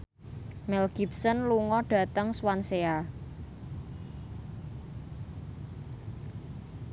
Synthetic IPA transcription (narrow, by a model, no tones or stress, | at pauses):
mɛlɡ̥ipsənluŋɔɖ̥ä̤t̪əŋswansea